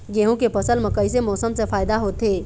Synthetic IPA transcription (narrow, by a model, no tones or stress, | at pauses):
ɡeːɦũkepɐsəlmə̃kəis̬emɔːsəmsefaːɪd̪aɦoːt̪eː